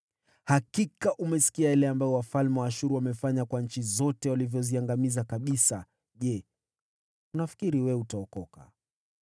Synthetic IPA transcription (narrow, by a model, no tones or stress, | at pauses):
hakikaʔumɛsi̥kiajalɛambajɔwafalmɛwaːʃuɾuwamɛfaɲakwaɲ̩t͡ʃizɔtɛwalivjɔziaŋɡamizakaɓisa | ʄɛ | unafi̥kiɾiwɛutaɔkɔka̰